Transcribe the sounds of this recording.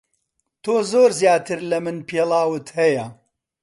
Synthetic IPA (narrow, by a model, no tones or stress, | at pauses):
t̪ʰoːzoːɾzjaːt̪ɨɾlɐmɨnpeːlˠɑːwɨt̪hɐjɐ